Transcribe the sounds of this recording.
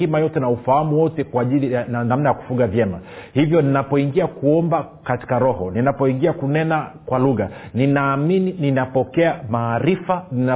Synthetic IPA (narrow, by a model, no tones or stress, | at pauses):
imajɔtɛnaufahamuwɔtɛkwaːʄiliananamnajaku̥fuɠavjɛmahivjɔninapɔiŋɡiakuɔmba | kati̥kaɾɔhɔninapɔiŋɡiakunɛnakwaluɣaninaːminininapɔkɛamaːɾifanina